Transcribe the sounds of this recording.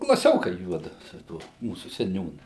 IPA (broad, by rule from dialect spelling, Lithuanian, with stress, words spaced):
klˠɐˈsʲoːkɐɪ ˈjuɔdʊ sʊ ˈtuɔ ˈmuːsʊ sʲɛˈnʲuːnʊ